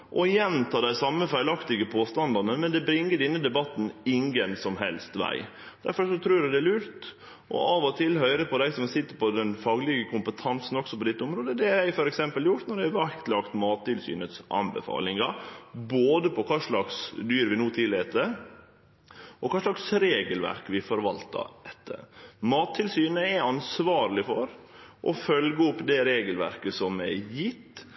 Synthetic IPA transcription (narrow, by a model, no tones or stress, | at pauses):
ʔɔjɛnt̪ʰɑːd̪æɪsɑmːəfæɪlɑkt̪ɪɡəpʰoːst̪ɑnd̪ɑnəmɛnd̪ɛbɾɪŋːəɖɪnːəd̪ɛbɑt̪ːn̩ɪŋɡənsɔmɦɛ̰lst̪ʋæ̰ɪ | d̪̥æɾfɔʂɔt̪ʰɾʉːɖʉd̪ɛæɭʉːɾt̪ | ʔɔ̰ʔɑːʋɔt̪ʰɪlɦœʏɾəpʰɔd̪æɪsɔmsɪt̪ːəɾpɔd̪ɛnfɑːɡlɪɡəkʰʊmpət̪ʰɑnsn̩ɔksɔpɔd̪ɪt̪ːəʊmɾoːd̪əd̪ɛæɾæɪfɔɾɛksɛmpəljʊɾt̪nɔɾɖ̪ææʋæɾkt̪lɑkt̪mɑːt̪̚ːɪlsy̰ːnət̪sʔɑ̰nbə̰fɑ̰ːlɪŋɑboːd̪əpɔkʰɑːʂɭɑksd̪yːɾʋɪnuːt̪ʰɪleːt̪əɾ | ʔɔkʰɑːʂɭɑksɾeːɡəlʋæ̰ɾkʋɪfɔɾʋɑlt̪ɑ̰d̪ɛt̪ʰːə̰mɑːt̪ʰːɪlsyːnəɛɑnsʋɑːɾlɪfɔɾ | ʔɔ̰fœlɡəʊpːd̪ɛɾeːɡəlʋæ̰ɾkəsɔmɛjɪt̪ː